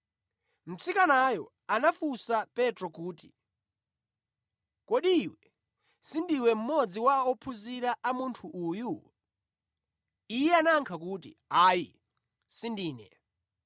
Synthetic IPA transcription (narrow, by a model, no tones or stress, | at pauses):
m̩sikanajɔ | anafusapɛtɾɔkuːti | kɔɗiwɛ | sindiwɛm̩mɔd͡ziwaɔpʰuziɾaʔamuntʰuʔːju | ijɛanaŋkʰakutḭaːji | sindiːnɛ̰